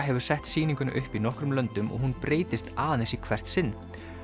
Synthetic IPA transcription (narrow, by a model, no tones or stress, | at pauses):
ɦɛvʏ̥sɛht̪siːniŋkʏna̰ʔʏhpinɔhkɾʏmlœnt̪ʏmɔ̰ɣɦunpɾeːjt̪ɪst̪aːðansikʰvɛr̥t̪sɪnː